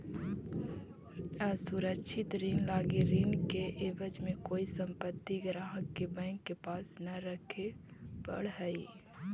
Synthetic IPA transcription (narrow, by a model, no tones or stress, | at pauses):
əsuɾəkʃʰɪt̪ɾinlaɡeɾinkeʔebəd͡ʒmẽkoːisəmpət̪ːiɡɾaɦəkːebɛ̃ŋkːepaːsnəɾəkʰebə̰ɽ̤ɦəi